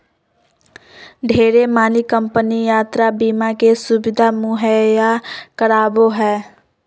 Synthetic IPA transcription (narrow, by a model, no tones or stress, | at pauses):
ɖʱeːɾemaːlikə̃mpənijaːt̪ɾabiːmakesʊbɪd̪ʱamʊɦəjakəɾaːboɦɛː